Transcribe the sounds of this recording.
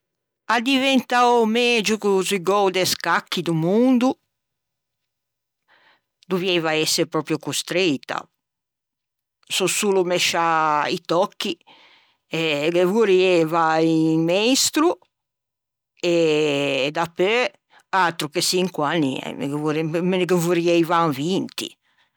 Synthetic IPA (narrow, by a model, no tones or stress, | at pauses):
ad̪ivɛnt̪awmɛd͡ʒukuzuiɡɔwd̪ɛskakːid̪umund̪u | d̪uvjɛvaɛsːepɾɔːpɾjɔkust̪ɾit̪ːa̰ | sɔsuːlumɛʃaḭt̪ɔkːi | ɛɡevuɾiɛvaiŋmɛjst̪ɾu | ɛ | d̪apːɛ | at̪ɾukesiŋkwanḭɛ̰m̰ɡvuɾmeneɡevuɾiɛjvaŋvint̪ḭ